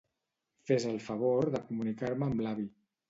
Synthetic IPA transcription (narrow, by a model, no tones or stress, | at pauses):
fezəlˠfəβ̞oɾðəkumunikaɾməːmlaβi